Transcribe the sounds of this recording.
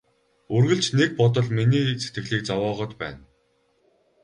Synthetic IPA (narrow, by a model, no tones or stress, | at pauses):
ɵrɣɘ̆ɮt͡ɕnek̚pɔt̪̬ɞ̆ɮminiːse̥t̪ɡɘ̆ɮiːk̚t͡sawɔːʁɞ̆t̪pæ̰ːn